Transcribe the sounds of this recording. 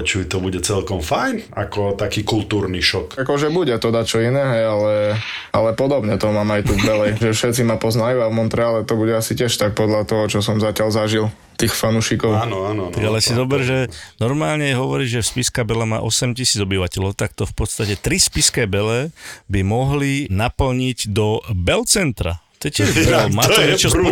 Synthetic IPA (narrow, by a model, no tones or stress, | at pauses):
t͡ʃut̪ɔbuɟɛt͡sɛlkɔmfajnakɔt̪akiːkult̪uːɾniʃɔkakɔʒɛbuɟɛt̪ɔd̪at͡ʃɔinɛːɦɛjalɛalɛpɔd̪ɔbɲɛt̪ɔmaːmajt̪uvbɛlɛjʒɛfʃɛt̪t͡simapɔznajuavmɔnt̪ɾɛaːlɛt̪ɔbuɟɛasicɪɛʃt̪ak̚pɔd̪lat̪ɔɦɔt͡ʃɔsɔmzacalzaʒil | t̪iːxfanuʃikɔʊnat̪aɡalɛsizɔbɛɾʒɛnɔɾmaːlɲɛɦɔʋɔɾiɟʒɛfspiskabɛlɛma̰ːʔɔsɛmcisiːd͡zɔbiʋacɛlɔʊt̪ak̚t̪ɔfpɔt̪st̪acɛt̪ɾispiskɛːbɛlɛbimɔɦlinapl̩ɲiɟd̪ɔbɛlt͡sɛnt̪ɾa̰ | t̪ɛcɛalmaɔɛt͡ʃɔ